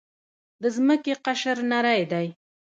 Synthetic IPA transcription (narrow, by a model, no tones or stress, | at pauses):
d̪əzməkeqaʃəɾnaɾajd̪aj